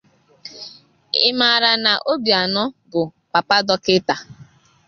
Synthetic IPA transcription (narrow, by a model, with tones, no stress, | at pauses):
ɪ̰˦ma˨ɾa˨na˨ʔo˦bi˨a˨nɔ˦bʊ˨pa˨pa˦dɔ˦kɪ˦ta˨